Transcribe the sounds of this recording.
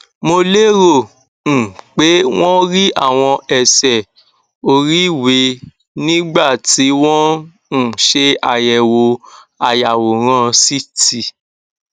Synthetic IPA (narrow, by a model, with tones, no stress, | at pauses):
mo˧le˦ɾo˦˨ | n̩˨k͡pe˨˦w̃ɔ̃˦ɾi˦ʔa̰˦˨w̃ɔ̃˧ɛ˨sɛ˨ | o˧ɾi˨˦we˧˦ | nĩ˦ɡ͡ba˦˨ti˨˦w̃ɔ̃˦ | n̩˨ʃe˧a˨jɛ˨wo˨˧a˧ja˨wo˨ɾ̃ã˦si˦ti˧